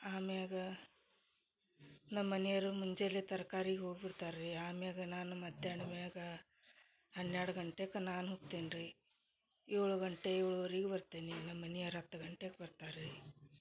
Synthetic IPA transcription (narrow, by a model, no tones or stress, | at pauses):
aːmeaːɡɐ | nɐmːɐnjɐɾumuɲd͡ʒelːit̪ɐɾkaːɾiːɡeɦoːɡbiɽt̪aːɾɾiaːmaːɡɐnaːnumɐd̪ʱjaːɳɐmeaːɡɐ | hɐnːjaːɽuɡɐɳʈekɐnaːnɦoːɡ̚t̪eːnɾi | eːɭuɡɐɳʈeeːɭuɐɾiːɡebɐɾt̪eːninɐmːɐnijɐɾɦɐt̪ːɐɡɐɳʈeɡebɐɾt̪aːɾɾi